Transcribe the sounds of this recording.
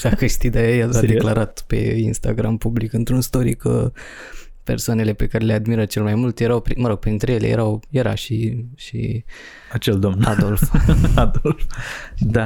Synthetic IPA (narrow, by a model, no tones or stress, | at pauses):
sakəʃt̪id̪ajajasad̪elaɾat̪pe̞̰inst̪a̰ɡɾampublikɨnt̪ɾunst̪o̞ɾikə̰ | pe̞rsoane̞le̞pe̞kaɾe̞lead̪miɾət͡ʃe̞lmajmult̪jeɾawpɾiməɾo̞ɡ̥̚pɾint̪ɾe̞jelḛje̞ɾawje̞ɾa̰ʃiʃḭ | at͡ʃeld̪omnad̪o̞lfad̪olfd̪a